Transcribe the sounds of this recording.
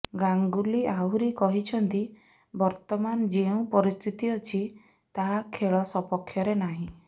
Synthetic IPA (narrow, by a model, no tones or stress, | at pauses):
ɡaŋɡuliaɦuɾikɔɦit͡ʃʰɔnt̪i | bɔɾt̪ɔmanɔd͡ʒeũpɔɾist̪ʰit̪iɔt͡ʃʰi | t̪aɦakʰeɭɔsɔpɔkʰːjɔɾenaɦĩ